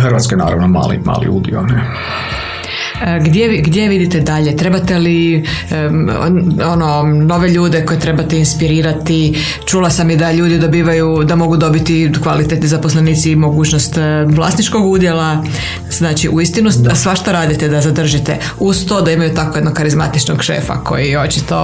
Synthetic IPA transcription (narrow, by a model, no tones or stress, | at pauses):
xrʋat̪skena̰ːɾa̰ʋnoma̰ːlḭma̰ːlḭṵːd̪ḭo̰nɛ | ɡd̪jeʋiɡd̪jeʋid̪it̪ed̪aʎe̞t̪ɾe̞bat̪e̞li | ono̞no̞ʋe̞ʎuːd̪eko̞je̞t̪ɾe̞bat̪einspiɾiːɾat̪i | t͡ʃulˠasamid̪aʎuːd̪id̪o̞biːʋajud̪amo̞ɡud̪o̞bit̪ikʋalit̪et̪nizapo̞sleniːt̪siːmo̞ɡuːt͡ʃnost̪ʋlˠa̰ːsnit͡ʃko̞ɡud̪je̞la | z̥naːt͡ʃiʔuist̪inusʋaʃt̪oɾaːd̪it̪ed̪azad̪r̩ʒit̪ḛ | ust̪od̪aimajut̪akojed̪nokxaɾizma̰t̪it͡ʃnoɡʃḛːfa̰kʰo̞̰jio̞t͡ʃit̪o̞